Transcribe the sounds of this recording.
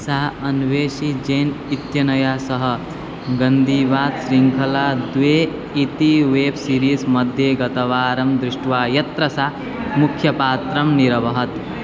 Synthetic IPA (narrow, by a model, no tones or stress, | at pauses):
saɦɐnʋeːʃid͡ʒeːnit̪jɐnɐjaːsɐɦɐ̆ | ɡɐnd̪iːʋaːd̪ʃɾiŋkʰɐlaːd̪ʋeː | it̪iʋeːbsiːɾiːsmɐd̪ʱjeːɡɐt̪ɐʋaːɾɐmd̪ɾɪʂʈʋaːjɐt̪ɾɐsaɦ | mukʰjɐpaːt̪ɾɐmniɾɐʋɐɦɐt̪